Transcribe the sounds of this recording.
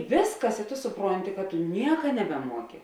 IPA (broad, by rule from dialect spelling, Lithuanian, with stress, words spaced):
ˈʋʲeːsˌkɐs ɪ toː sʊˈproːnʲtʲɪ kɐ tʊ ˈnʲiɛkɐ nʲɛbʲɛˈmuɔkʲɪ